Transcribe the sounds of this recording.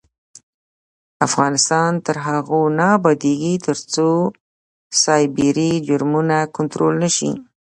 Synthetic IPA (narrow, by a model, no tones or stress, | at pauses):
afɣɑnɪst̪ɑnt̪əɾɦaɣonɑbad̪eɡit̪əɾt͡so | sɑjbiɾid͡ʒʊɾmunakʊnt̪ɾolnəʃḭ